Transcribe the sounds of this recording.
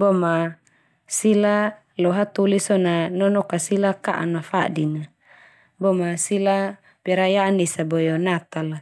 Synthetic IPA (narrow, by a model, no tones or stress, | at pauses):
bɔma | sila | lɔɦat̪ulisɔnanɔnɔkasilakaʔa̰nmafadina | bɔmasila | bɛɾajaːnisabɔjɔnat̪ala